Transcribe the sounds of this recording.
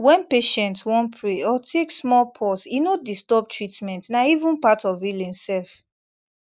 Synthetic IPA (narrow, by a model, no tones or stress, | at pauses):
wɛ̃npeʃɛ̃ntwɔ̃npʰɹeɔtʰeksmɔlpʰɔsinodistɔb̚tʰɹitmɛ̃ntnaivũnpatɔvilĩnsɛlf